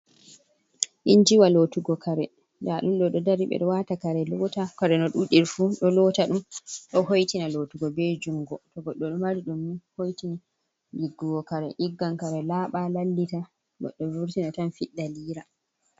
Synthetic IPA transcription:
ʔiɲd͡ʒiwalotuɡɔkʰaɾɛ | daɗumɗɔɗɔdaɾiɓɛ̰ɗɔwatakaɾɛlɔːtakaɾɛnɔɗuɗiɾfuɗɔlɔtaɗumɗɔhojtinalotuɡɔbed͡ʒuŋɡɔtɔɡɔɗːɔɗumaɾiɗumːihojtini | diɡːuɡɔkaɾɛ̰ʔiɡːankaɾɛlaːɓalalːita | ɡɔ̰ɗːɔvuɾtinatanfiɗːaliːɾa

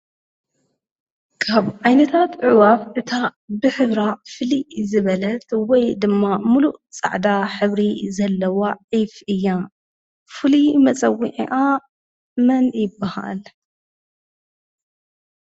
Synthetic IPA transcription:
kʰaβʔajnɐt̪ʰat̪ʕɨwafʔɨt̪ʰabɨħɨβɾafɨlizɨβɐlɐt̪wɔjd̪ɨmːamuluʔt͡sʼa̰ʕd̪aħɨβɾizɐlːɐwaʕifʔɨjːa | fɨlimɐt͡sʼɐwiʕḭʔa | mɐnjɪbːaha̰l

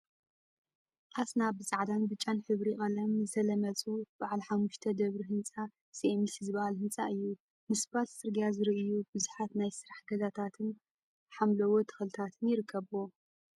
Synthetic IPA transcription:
ʔasnabɨt͡sʼaʕd̪anbɨt͡ʃʼːanħɨβɾiχʼɐlɐmzɐlɐmɐt͡sʼub̥aʕalħamːuʃt̪ʰɐd̪ɐβɾiɦɨnt͡sʼa | siʔemisizɨβɐhalhɨnt͡sʼaʔɨjːu | mɨsbalsɨɾɡijazɨɾiʔɨjubɨzuħat̪najsɨɾaħɡɐzat̪ʰat̪ʰɨn | ħamlɐwot̪ʰɐ̥xɐlt̪ʰat̪ʰɨnjɪɾɨkʰːɐβuo

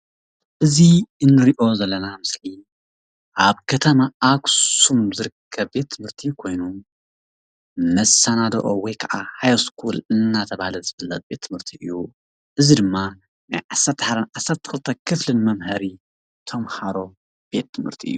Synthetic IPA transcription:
ʔɨziɨnːɨɾiʔo̞zɐlːɐnamɨsli | ʔaβkʰɐt̪ʰɐmaʔaɡsumzɨɾɨkʰːɐβbe̞t̪ʰːɨmhɨɾt̪ʰikʰo̞jnu | mɐsɐnad̪ɐ̰ʔowɔjkʰɐʔahajskʰulɨnːat̪ʰɐβahalɐzɨβɐlːɐt̪̚be̞t̪ʰːɨmhɨɾt̪ʰiʔɨjːu | ʔɨzid̪ɨmːa | najʕasɐɾt̪ʰːħad̪ɐnʕasːɐɾt̪ʰːɨ̥xɨlt̪ʰɐkʰɨflɨnmɐmhɐɾi | t̪ʰɐmhaɾo̞ | b̥e̞t̪ʰːɨmhɨɾt̪ʰiʔɨ̰jːu

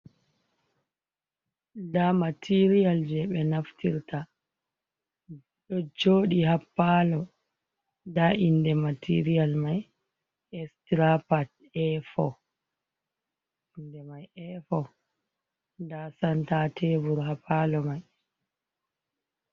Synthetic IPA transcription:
damatʰiɾiald͡ʒɛɓɛnaftiɾta | ɗɔd͡ʒoːɗihapːalɔ | daʔindɛmatʰḭɾialmaj | ɛstɾapat | ɛfɔ | ndɛmajɛfɔ | ndasantatʰevuɾhapːalɔmaj

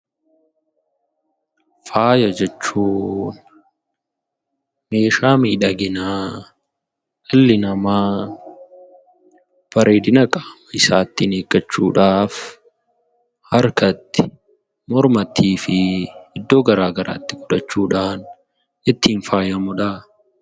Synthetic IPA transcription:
faːjɐd͡ʒɛt͡ʃːuːn | me̞ːʃaːmiːᶑɐɡɪnaː | ɐlːɪnɐma | b̥ɐɾʔeːd̪ɪnɐkʼḁːmɐɪsaːt̪ːɪneːkʼːɐt͡ʃːuːᶑaːf | hɐɾkɐt̪ːɪ̥ | mɔɾmɐt̪ʰːiːfɪɪd̪ːo̞ːɡɐɾaːɡɐɾa̰ːt̪ːɪɡʊᶑɐt͡ʃːuːᶑaːn | ɪt̪ːiːnfaːjɐmʊᶑa

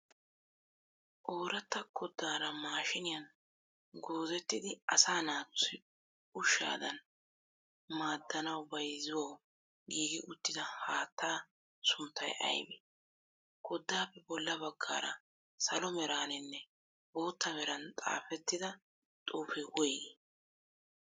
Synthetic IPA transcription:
ʔoːɾɐt̪ːɐkʰɔd̪ːaːɾɐmaːʃɪnɪjɐn | ɡo̞ːzɛt̪ːɪd̪ɪɐsaːnaːt͡sːʊɪ | ʊʃːa̰ːd̪ɐn | maːd̪ːɐnɐwbɐjzɪwow | ɡiːɡɪʔʊt̪ːɪd̪ɐhaːt̪ːaː | sʊnt̪ːɐjɐ̰jbɛ | kɔd̪ːaːpːɛbɔlːɐbɐɡːa̰ːɾɐ̰ | sɐlɔmɛɾaːnɛnːɛ | bo̞ːt̪ːɐmɛɾɐnt̪ʼa̰ːfɛt̪ːɪd̪ɐ | t̪ʼuːfɛwɔjɡe

